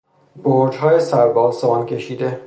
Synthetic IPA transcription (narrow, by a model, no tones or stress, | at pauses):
boɾd͡ʒɦɒːjesæɾbɒːnsomɒːncʲʰe̞ʃiːd̪e